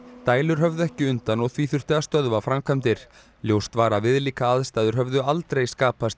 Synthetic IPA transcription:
t̪aːjlʏɾ̥ɦœvðʏɛhcɪʏnt̪anɔɣθviːθʏr̥t̪ɪast̪œðvafɾamkʰœmt̪ɪɾ̥ | ljowst̪vaːɾavɪðliːkaaðst̪ajðʏɾ̥ɦœvðʏalt̪ɾejskaːpast̪

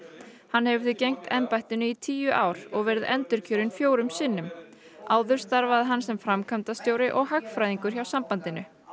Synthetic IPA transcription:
hanːhɛvʏðɪcejŋ̥t̪ʰɛmpajht̪ɪnʏit̪ʰiːjʏʔaːwɾ̥ɔɣvɛːɾɪðɛ̰nt̪ʏɾ̥cʰœːɾɪnfjoːwɾʏmsɪnːʏm | aːwðʏɾ̥st̪aɾvaðɦansɛmfɾamkʰamnt̪ast̪joːwɾɪʔɔɣɦakfɾajðiŋkʏɾ̥çawsampant̪ɪnʏ

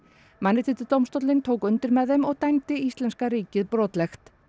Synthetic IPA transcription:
manːɪt̪ʰɪt̪ɪt̪owmst̪ɔwt̪lɪnt̪ʰoːwkʏnt̪ɪɾmɛðɦɛmɔɣt̪ajmt̪ɪist̪lɛnskaɾiːcɪðpɾɔːt̪lɛxt̪

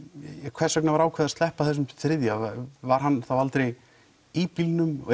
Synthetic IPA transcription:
ɛkʰvɛsœknavaɾaːwkʰvɛðast̪ɛhpaθɛsʏmθɾɪðjavvaɾ̥ɦanːθavalt̪ɾej | ipilnʏm

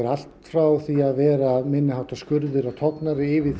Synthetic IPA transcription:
ɛɾal̥t̪fɾaːwθiaðvɛːɾamɪnːɪɦaw̥t̪askʏɾðɪɾawt̪ʰɔknaɾɪɪvɪ

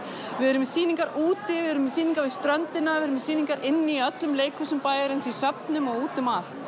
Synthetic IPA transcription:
vɪðɛɾʏmsiːniŋkaɾuːt̪ɪvɪɛɾʏmɪsiːniŋkaɾvɪðst̪ɾœnt̪ɪnːavɪɾʏmsiːniŋkaɾʔɪnːɪiœt̪lʏmleːjkʰʏsʏmpaːjaɾɪnsisœpnʏmɔɣuːt̪ʏmal̥

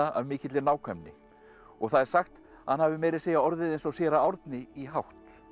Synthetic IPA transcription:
aa̰vmɪːcɪt̪lɪnaːwkʰɛmnɪ̰ | ɔɣθaðɛɾ̥saxt̪ | hanhavɪmɛːjɾɪseːjaɔɾðɪðejnsɔɣsjɛːɾaawɾt̪nɪiɦawht̪

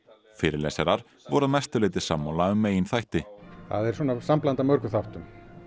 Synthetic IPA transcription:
fɪːɾɪɾlɛ̰sɛɾaɾ̥ | vɔɾðamɛst̪ʏlɪːt̪ɪsaːmːaːwlaʏmːeːjɪnθajht̪ɪθa̰ðɛɾ̥swɔːnasamplant̪amœɾkʏθaht̪ʏm

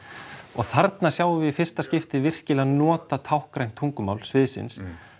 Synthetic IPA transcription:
ɔɣθaɾt̪nasjawʏvɪifɪr̥st̪ascɪft̪ɪvɪr̥cɪlaðnɔːt̪at̪ʰawhkɾajn̥t̪ʰuŋkʏma̰wlsvɪðsɪ̰ns

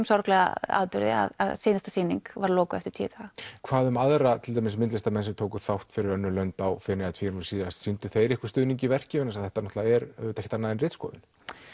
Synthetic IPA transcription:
msawɾaklɛɣa̰a̰ðpʏɾðɪ̰a̰ða̰ðseːnast̪ḁsiːniŋkvaɾlɔːkʏɛft̪ʏɾ̥t̪ʰɛ̰ːt̪ʰaɣakʰvaːðʏmaðɾat̪ʰɪlajmɪsmɪnt̪lɪst̪amɛnsɛmt̪ʰoːwkʏθawht̪fɪɾɪɾœnːʏlœnt̪awfɪnɪat̪ʰviːɾʏsiassint̪ʏθejɾɪhkʏ̥st̪ʏːðniɲcɪvɛr̥cɪvʏnas̬aðθɛht̪anɔht̪laaɛɾt̪ahçɛt̪anːaðɪnrɪːt̪skɔ̰ːðɪ̰n̥

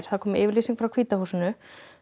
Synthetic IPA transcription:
ɾ̥θaðkʰɔːmɪʔɪːvɪɾliːsiŋkfɾawkʰv̥iːt̪ahuːsɪnʏ

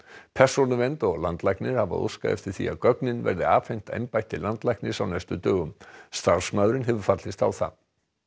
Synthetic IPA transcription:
pʰɛ̥sɔnʏvɛnt̪ɔɣlant̪lajknɪɾ̥hava̰o̰ska̰ðɛ̰ft̪ɪɾ̥θḭa̰ðkœknɪnvɛ̰ɾðɪaːffejn̥t̪ḛjmpajht̪ɪlant̪lajhknɪsawnajst̪ʏt̪œːɣʏmst̪aɾ̥smaðɾɪnɦɛvʏɾ̥fat̪lɪst̪a̰wθa̰ð

